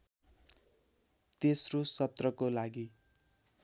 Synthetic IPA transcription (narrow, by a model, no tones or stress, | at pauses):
t̪esrosʌt̪rʌkolaɡi